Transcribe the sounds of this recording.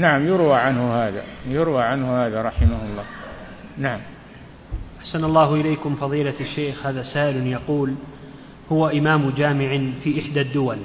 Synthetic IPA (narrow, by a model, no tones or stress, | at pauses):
naʕamjʊɾwaʕanhʊhaːða̰jʊɾwaʕanhʊhaːðaɾˤɑħɪmahʊlˤːɑː | naʕam | ʔaħsanɑlˤːɑːhʔɪlejkʊmfɑðˤiːlaaʃːeːxhaːðaːsaːʔɪlnjɑquːl | hʊwaʔɪmaːmd͡ʒaːmɪʕɪfiːʔɪħd̪ad̪ːʊwal